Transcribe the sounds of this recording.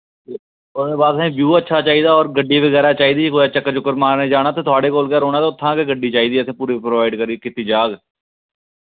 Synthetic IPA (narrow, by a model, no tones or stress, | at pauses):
e | ʊd̪eːbaːd̪sɛ̃ːbjuːətːʃʰaːt͡ʃaːiːd̪aːɔːɾɡəɖiːʋəɡɛːɾaːt͡ʃaːiːd̪iːkoːjaːt͡ʃəkːəɾt͡ʃʊkːəɾmaːɾneːd͡ʒaːɽaːt̪eːt̪ʊaːɽeːkoːlkɛːɾoːñaːt̪eʊt̪ʰːãːkeːɡəɖiːt͡ʃaːiːd̪iːət̪ʰẽːpuːɾiːpɾoːʋaːɪɖkəɾiːkɪt̪ːiːd͡ʒaːɡ